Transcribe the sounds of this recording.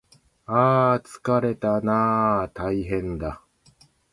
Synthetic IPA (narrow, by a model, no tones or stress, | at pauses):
aːt͡sɨ̥kaɾe̞t̪anat̪aiɦẽ̞nd̪a